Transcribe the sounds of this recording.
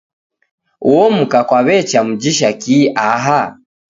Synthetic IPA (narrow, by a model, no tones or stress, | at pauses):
uɔm̩kakwaβɛt͡ʃam̩d͡ʒiʃakiʔaɦa